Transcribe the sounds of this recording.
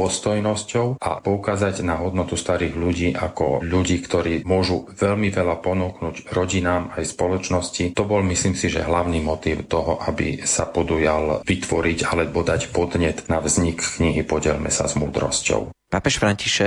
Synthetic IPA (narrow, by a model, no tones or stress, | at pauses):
ɔst̪ɔjnɔscɔʊʔa̰pɔukaːzaɟnaɦɔd̪nɔt̪ust̪aɾiːɣʎuɟiːʔa̰kɔ̰ʎuɟiːkt̪ɔɾiːmʊɔʒuʋɛʎmiʋɛlapɔnuːknuːɟɾɔɟinaːmajspɔlɔt͡ʃnɔscit̪ɔbɔlmisliːmsiʒɛ̰ɦlaʊnimɔt̪iːʊt̪ɔɦɔʔabḭsapɔd̪ujalʋit̪ʋɔɾiɟalɛbɔd̪acpɔd̪ɲɛt̪navzɲikːɲiɦipɔɟɛ̰lmɛ̰sa̰zmuːd̪ɾɔ̰scɔ̰ʊpapɛʃfɾaɲciʃɛ